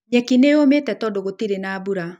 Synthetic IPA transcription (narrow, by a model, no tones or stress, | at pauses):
ɲɛkineometɛtɔdoɣotiɾenaːbuɾa